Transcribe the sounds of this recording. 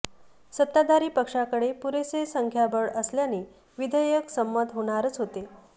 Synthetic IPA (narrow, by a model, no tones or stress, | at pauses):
sət̪ːad̪ʱaɾiːpəkʂakəɽepuɾesesəŋkʰjabəɭəsljaniː | ʋid̪ʱəjəksəmːəd̪ʱɦoɽ̃aɾət͡sɦot̪e